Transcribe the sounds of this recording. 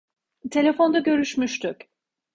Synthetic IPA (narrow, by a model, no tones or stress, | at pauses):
t̪ʰe̞lʲe̞fo̞nd̪aɟø̞ɾyʃmyʃt̪ʰyc